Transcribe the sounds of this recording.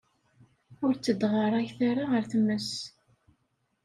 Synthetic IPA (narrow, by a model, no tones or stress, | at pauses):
ʊɾt͡sːəd̪ʁəɾˤajθaɾaʁəɾθəmːəs